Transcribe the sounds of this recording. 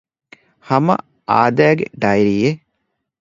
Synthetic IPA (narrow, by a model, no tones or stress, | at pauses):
hɐmɐ̰ | a̰ːd̪æːɡḛɖɐjɾiːje